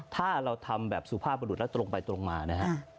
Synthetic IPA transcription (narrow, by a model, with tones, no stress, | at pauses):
t̪ʰaː˥˩ɾa˧wt̪ʰa˧mbɛː˨˩p̚su˨˩pʰaː˥˩p̚ːa˧nuː˨˩t̪̚lɛ˦˥t̪ɾo˧ŋpa˧jt̪ɾo˧ŋmaː˧na˦˥kʰa˦˥